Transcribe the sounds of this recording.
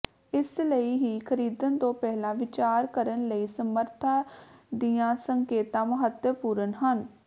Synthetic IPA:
ɪsləiːɦiːkʰəɾiːd̪ənt̪õːpɛːɦlãːʋɪt͡ʃaːɾkəɾənləiːsəməɾt̪ʰaːd̪ɪjãːsəŋkeːt̪ãːməɦət̪jəpuːɾənɦən

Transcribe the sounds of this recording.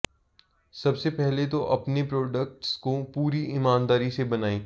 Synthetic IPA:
sɐbsepɛɦlet̪oʔɐpnepɾɔːɖək̚ʈskopuːɾiɪmaːnd̪aːɾisebɐnaːĩː

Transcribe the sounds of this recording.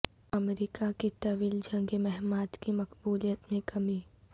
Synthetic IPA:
ɐmɾikakit̪ɐʋiːld͡ʒɐ̃ŋɡemɛɦmaːt̪kimɐkbuːlijət̪mẽkɐmiː

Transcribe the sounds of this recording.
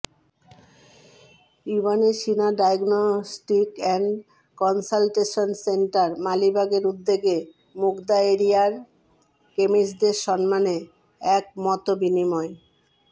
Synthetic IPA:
jubaneʃinaɖajɡnosʈikɛɳɖ | kɔnsalʈeʃonseɳʈaɾmalibʱaɡeɾud̪ːeɡe | mukd̪aeɾijaɾ | kemiʃ̬d̪eɾʃɔnmane | ɛk̚mɔt̪obinimɔe

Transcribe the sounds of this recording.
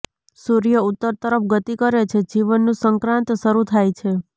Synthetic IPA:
suɾijəut̪ːəɾt̪əɾəfɡət̪ikəɾet͡ʃʰed͡ʒiʋənːũsəŋkɾãnt̪ʃəɾut̪ʰajt͡ʃʰe

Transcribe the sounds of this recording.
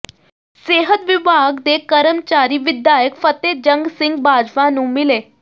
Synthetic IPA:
seːɦət̪ʋibʱaɡd̪ekəɾəmt͡ʃaːɾiːʋɪd̪jaːjəkfət̪ed͡ʒə̃ŋɡsɪ̃ŋɡ̚baːd͡ʒʋãnũːmileː

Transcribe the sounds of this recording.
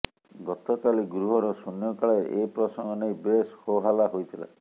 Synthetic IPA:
ɡɔt̪ɔkaliɡɾuɦɔɾɔsunjɔkaɭeʔepɾɔsɔŋɡɔnejbeshoɦalaɦojt̪ʰila̰

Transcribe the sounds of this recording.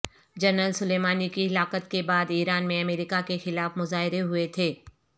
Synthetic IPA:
d͡ʒɐɾnəlsʊleːmaːnikiɪlaːqət̪̚kebaːd̪iːɾaːnmẽɐmeːɾɪkakexɪlaːfmʊzaːɦɪɾeɦʊet̪ʰeː

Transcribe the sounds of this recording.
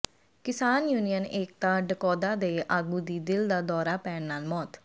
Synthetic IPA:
kɪsaːnjuːnijəneːk̚t̪aːɖəkɔːd̪aːd̪eːʔaːɡuːd̪iːd̪ɪld̪aːd̪ɔːɾaːpɛːɳnaːlmɔːt̪

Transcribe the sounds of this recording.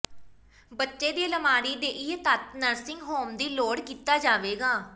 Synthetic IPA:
bətːʃeːd̪eːləmaːɾiːd̪eːʔɪɦet̪ət̪nəɾsɪŋɡɦoːmd̪iːloːɽkiːt̪aːd͡ʒaːʋeːɡaː

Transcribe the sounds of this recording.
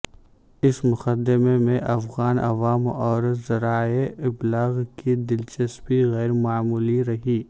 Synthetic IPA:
ɪsmʊqəd̪ɪmemẽʔɐfɣaːnʔɐʋaːmɔːɾzɐɾaːeɪblaːɣkid̪ɪlt͡ʃɐspiɣɛːɾmaːmuːliɾɐɦiː

